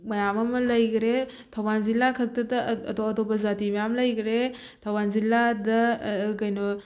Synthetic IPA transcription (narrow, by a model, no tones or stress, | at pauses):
mɐjamɐmɐlɐjɡɾe | tʰɐwbanzilːakʰɐk̚tɐdɐːtoɐtopːɐzatimɐjamlɐjɡɾe | tʰɐwbanzilːadɐkɐjno